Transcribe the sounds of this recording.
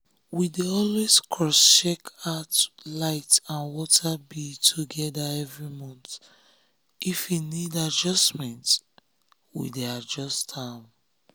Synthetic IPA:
wideɔlweskʰɹɔst͡ʃekatlaɪtãnwɔtʰabitʰuɡɛdaɛvɹimɔ̃nt | ifinidad͡ʒɔsmɛ̃nt | wḭdead͡ʒɔstã

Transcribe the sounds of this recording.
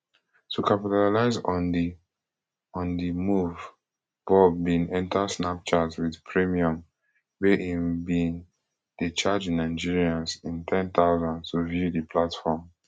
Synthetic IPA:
tʰukapitalaɪzɔ̃ndi | ɔ̃ndimuv | b̥ɔbĩnɛ̃ntʰasnap̚t͡ʃazwiðpʰɹimiɔ̃m | beʔĩnbĩn | dit͡ʃad͡ʒĩnːaɪd͡ʒiɹiãnsĩntʰɛ̃nt̪aʊzãndtuvjudipʰlatfɔm

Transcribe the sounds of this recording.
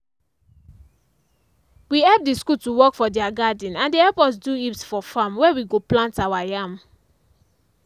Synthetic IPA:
wiɛp̚diskutuwɔkfɔdiaɡadĩnãndehɛlpɔs̬duipsfɔfãmwɛwiɡoplãntawajãm

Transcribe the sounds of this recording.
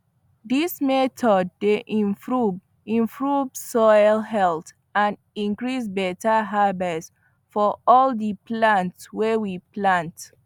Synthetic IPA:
dismɛtʰɔd̚ːeʔĩfɹu | ĩɱfɹuvsɔɪlɦɛlt | ãn | ĩŋkɹis̬bɛtaɦabɛs | fɔɔldiplãntswewiplãnt

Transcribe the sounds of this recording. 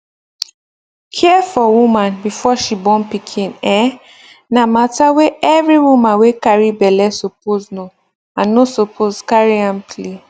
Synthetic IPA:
kʰɛfɔwũmãnbifɔʃibɔ̃npikʰĩnɛ̃ | namataweɛvɹiwumãnwekaɹibɛlɛsop̚ozno | ãnːosopʰozkaɹiãmple

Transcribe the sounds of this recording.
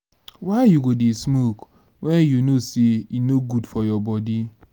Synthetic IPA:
waɪjuɡodismok | wejunosiinoɡudfɔjɔbɔdi

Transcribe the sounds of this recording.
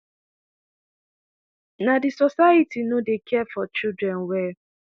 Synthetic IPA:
nadɪsɔsaitinodekʰɛfɔt͡ʃidɾɛn̩wɛ

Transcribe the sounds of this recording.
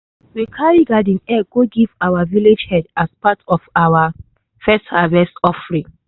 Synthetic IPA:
wikʰaɹiɡadĩnɛɡoɡivawaviled͡ʒhɛdaspatʰɔfawa | fɛsthavɛstɔfɹĩ

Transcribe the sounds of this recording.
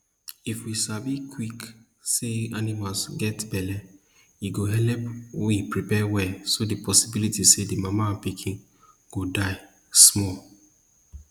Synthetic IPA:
ifwisabikʰwik | seanimalsɡɛtbɛlɛ | iɡoɦɛlɛpwoipɹipɛwɛsodepʰɔsibilitisedimamãnpikʰĩn | ɡ̥odaɪ | smɔl

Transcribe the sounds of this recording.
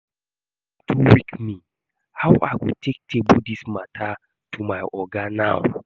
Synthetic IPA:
tʰuwikmi | hawʔa̰ɪwitʰek̚tʰebudismatʰa | tʰumaɪɔɡanaw

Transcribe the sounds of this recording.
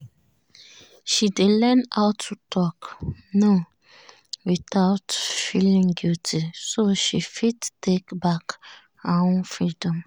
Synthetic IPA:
ʃidelɛnaʊtʰːutʰɔkno | witatfilĩŋɡutʰisoʃifittekbak | aɔ̃nfɹidɔ̃m

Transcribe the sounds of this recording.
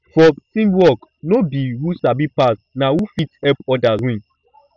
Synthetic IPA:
fɔtĩmwɔknobiwusabipas | nawufitɛpɔdawĩn

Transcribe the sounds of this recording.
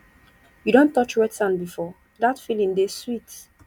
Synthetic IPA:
judõntːɔt͡ʃwɛtsãnbifɔ | datfilĩŋdeswit

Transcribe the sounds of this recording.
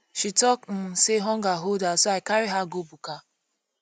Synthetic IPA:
ʃitɔkn̩seɦɔŋ̩ɡaɦodasoaɪkaɾiɦaɡobuka

